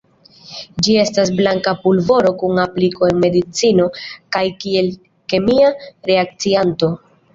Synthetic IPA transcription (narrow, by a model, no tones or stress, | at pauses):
d͡ʒie̞stasblaŋkapulvo̞ɾo̞kuŋapliko̞e̞nme̞dit͡sino̞kajkie̞l | ke̞miaɾe̞ak̚t͡sianto̞